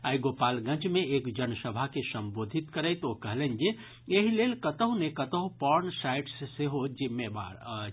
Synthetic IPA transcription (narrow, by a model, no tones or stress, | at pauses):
ajɡopalɡə̃nt͡ʃmeekd͡ʒənsəbʱakesəmbod̪ʱit̪kəɾəjt̪okəɦlend͡ʒe | eɦilelkət̪əɦũnekət̪əɦũpɔɾnsajʈsseɦod͡ʒimːeba̰ɾ